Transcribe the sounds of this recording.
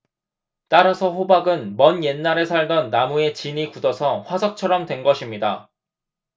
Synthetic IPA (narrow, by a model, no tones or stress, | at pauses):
t͈aɾasʰʌɸobaɡɯnmʌnje̞nːaɾesʰaɭdʌnːamue̞t͡ɕiɲikudʌsʰʌɸwasʰʌk̚t͡ɕʰʌɾʌmtwe̞nɡʌɕʰimɲida